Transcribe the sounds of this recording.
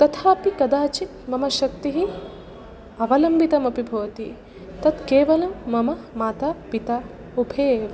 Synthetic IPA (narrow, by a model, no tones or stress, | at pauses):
t̪ɐt̪ʰaːpikɐd̪aːt͡ʃit̪mɐmɐʃɐkt̪iɦi | ɐʋɐlɐmbit̪ɐmɐpibʱɐʋɐt̪i | t̪ɐt̪keːʋɐlɐmːɐmɐmaːt̪aːpit̪a | ubʱeːʋɐ